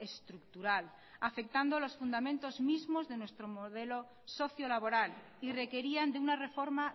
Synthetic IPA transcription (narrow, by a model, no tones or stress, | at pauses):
e̞st̪ɾuk̚t̪uɾal | afe̞k̚t̪and̪olo̞sfund̪amẽnt̪o̞zmizmo̞zðe̞nwest̪ɾo̞moðe̞lo | so̞θjolaβo̞ɾal | ire̞ke̞ɾiand̪eunare̞fo̞ɾma